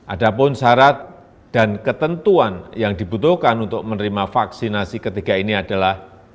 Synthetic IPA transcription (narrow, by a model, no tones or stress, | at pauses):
ʔadapʊnsaɾat̪̚ | d̥ankət̪ənt̪uanjaŋdibut̪ʊhkanunt̪ʊk̚mənəɾimafaksinasikət̪iɡainiadalah